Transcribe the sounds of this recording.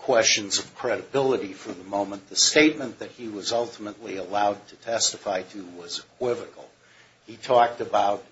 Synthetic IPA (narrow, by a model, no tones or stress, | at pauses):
kʰw̥ɛst͡ʃɨ̃nzʌv̥kʰɹ̥ɛɾɨbɪlˠəɾifə˞ðəmõʊ̃mə̃nðɨsteɪt̚mɨ̃nðɨt̚hiwʌzʌlˠtʰəmətˡliəlaʊd̚tʰɨtʰɛstəfaɪɾʰɨwʌzɨkʰw̥ɪvɨkl̩ˠ | itʰɔk̚tɨbaʊt̚